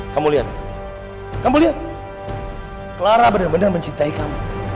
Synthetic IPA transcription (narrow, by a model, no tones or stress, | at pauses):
kamuliɦat̪̚t̪aɡi | kamuliɦat̪̚ | kəlaɾabənərbənərməɲt͡ʃint̪aikamu